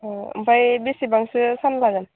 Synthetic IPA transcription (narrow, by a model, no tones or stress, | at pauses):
ɔ̰mpajbisibaŋsɯsanlaɡan